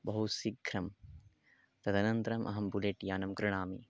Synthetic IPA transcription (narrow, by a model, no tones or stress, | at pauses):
bɐɦut̪siɡʱɾɐm | t̪ɐd̪ʱɐnɐnt̪ɾɐmʔɐ̰ɦɐmbuleʈjaːnɐmkɾɪɳ̃aːmḭ